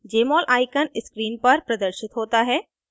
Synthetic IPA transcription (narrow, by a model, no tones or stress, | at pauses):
d͡ʒeːmɔːlʔaːɪkənɪskɾiːnpɐɾpɾɐd̪əɾʃɪt̪ɦoːt̪aɦɛː